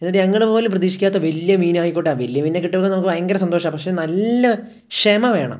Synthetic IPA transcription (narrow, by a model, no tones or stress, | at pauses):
enːiʈːɨɲɐŋːɐɭepo̞ːluprɐðiːʂi̥kʲːaːt̪ːɐʋeljɐmiːnaːjikːoʈːaːnʋeljɐmiːnːekːiʈːɨpokːɐnɐmukːɨʋɐjɐŋɡɐɾɐsɐnd̪o̞ːʂɐpɐkʂe̞nɐlːɐ | kʂeːmɐʋe̞ːɳɐ̰m